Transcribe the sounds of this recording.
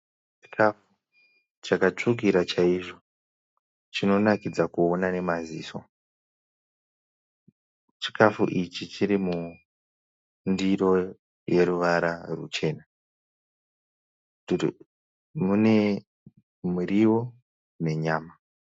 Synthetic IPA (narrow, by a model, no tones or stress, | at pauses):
t͡ʃi̥kʰafu | t͡ʃakat͡ʂuk̬iɾat͡ʃaiʐo̞ | t͡ʃino̞nakid͡zakuonane̞mazḭːso̞̰ | t͡ʃi̥kafṵʔit͡ʃit͡ʃiɾimu | ndiɾo̞ | je̞ɾuʋaɾarṵt͡ʃe̞ːna | mune | muɾiwo̞ | ne̞ɲaːma